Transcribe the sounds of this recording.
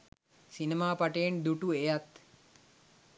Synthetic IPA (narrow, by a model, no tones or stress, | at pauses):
sinemaːpaʈəjend̪uʈuejat̪